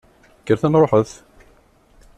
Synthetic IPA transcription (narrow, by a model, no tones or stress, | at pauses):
ɡəɾθænɾˤoħəθ